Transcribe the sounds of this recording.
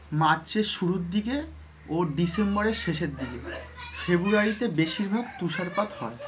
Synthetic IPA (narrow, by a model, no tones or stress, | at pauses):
maɾt͡ɕeʃuɾuɾd̪ike | oɖisembɔɾeɾʃeʃeɾd̪ikefebuaɾit̪ebeʃiɾbʱaɡ̚t̪uʃaɾpat̪hɔe